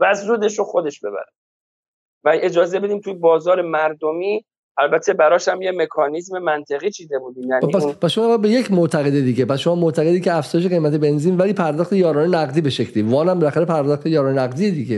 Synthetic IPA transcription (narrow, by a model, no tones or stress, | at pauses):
væzɾuːd̪e̞ʃoxod̪e̞ʃbe̞̰bæ̰ɾe | væed͡ʒɒːze̞be̞d̪iːmt̪ʰujebɒːzɒːɾemæɾd̪omiː | ʔælbæt̪ʰːe̞bæɾɒːʃæmjeme̞kʰɒːnizmemænt̪ʰeɣiːt͡ʃʰiːd̪e̞buːd̪iːmjænipæspʰæsʃomɒɒbe̞je̞cʰmoʔt̪ʰæɣe̞d̪ed̪iɟepæsʃomɒːmoʔt̪ʰæɣed̪iːcʰeæfz̥ɒɔːjeʃ̬e̞ɣe̞jmæt̪ʰe̞be̞nziːnvæliːpʰæɾd̪ɒːχt̪e̞jɒːɾɒːnenæɣd̪iːbe̞ʃe̞cʰlivɒːnæmbelæxæɾepʰæɾd̪ɒːχt̪ʰe̞jɒːɾɒːnenæɣd̪ijed̪iɟe